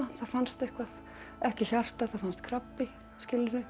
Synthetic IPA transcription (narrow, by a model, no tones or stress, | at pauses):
aθaðfanst̪ehkvað | ɛhcɪçar̥t̪aθaðfanst̪kʰɾapːi | scɪlɪɾɪ